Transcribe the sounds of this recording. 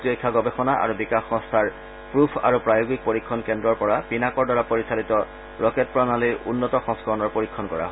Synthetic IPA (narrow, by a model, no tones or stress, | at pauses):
tiojkʰːaɡɔbexɔnaʔa̰ɹubikaxːɔ̃ŋstʰaɹ | pɹupʰa̰ɹupɹajoɡik̚poɹikʰːɔnkɛndɹɔɹpɔɹapinakɔɹdaɹapoɹisalitɔ | ɹɔket̚pɹɔnaliɹṵnːɔtɔxɔ̃ŋskɔɹɔnɔɹpoɹikʰːɔnkɔɹa̰ɦɔ